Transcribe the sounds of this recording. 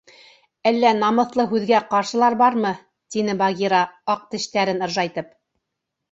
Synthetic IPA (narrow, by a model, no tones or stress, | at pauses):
ælːænɑmɤ̆θlˠɤɦʉðɡæqɑɾʃɤ̆lˠɑɾbɑɾmɤ | t̪inɘbɑɡʲiɾɑɑq̚t̪ɘ̆ʃt̪æɾɘnɤ̆ɾʒɑjt̪ɤp̚